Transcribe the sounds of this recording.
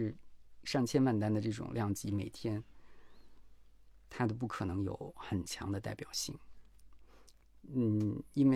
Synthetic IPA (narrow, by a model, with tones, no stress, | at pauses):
ɻ̩˥˧ʂɑ˥˩ŋt͡ɕʰjɛ˥nma˥˩nt̪a˥nd̪ə˨ʈ͡ʂɤ˥˩ʈ͡ʂʊ̰˨˩ŋljɑ˥˩ŋt͡ɕi˧˥me˨˩ɪt̪ʰjɛ˥n | t̪ʰa˥d̪ə˧p̬u˥˩kʰɤ˨˩nɤ˧˥ŋjo̰˧˦ʊxə˨˩nt͡ɕʰjɑ̰˧˥ŋd̪ə˧t̪a˥˩ɪpjɑ˨˩ʊɕi˥˩ŋ | n̩˥˩i˥nwe˥˧˩